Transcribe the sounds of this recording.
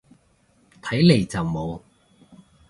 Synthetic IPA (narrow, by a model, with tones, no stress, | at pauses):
t̪ʰɐ˨˥jle˨˩jt͡sɐ˨wmo˨˧w